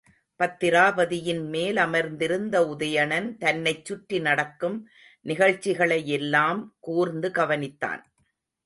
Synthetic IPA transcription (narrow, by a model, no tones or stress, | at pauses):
pɐt̪ːɪɾaːʋɐðɪjɪnmeːlɐmɐɾnd̪ɪɾɯnd̪ɐʊðɐjɐɳɐnt̪ɐnːɐɪt͡ʃːʊʈɾinɐɽɐkːɯm | nɪɣɐɻt͡ʃːɪɣɐɭɐjɛlːaːmkuːɾnd̪ɯɡɐʋɐnɪt̪ːa̰ːn